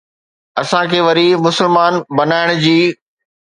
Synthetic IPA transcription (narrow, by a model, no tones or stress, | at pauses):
ɐsãkʰeːʋɐɾimʊsəlmaːnbɐnaːɪɽ̃ʊd͡ʑiː